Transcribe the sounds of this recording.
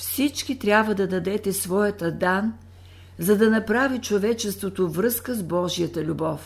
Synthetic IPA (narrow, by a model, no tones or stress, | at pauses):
fsit͡ʃkit̪ɾʲabvəd̪ɐd̪ɐd̪ɛt̪ɛsvɔjɐt̪ɐd̪an | zɐd̪ɐnɐpɾavit͡ʃovɛt͡ʃɛst̪vot̪ovɾɤskəzbɔʒijət̪əlʲubɔf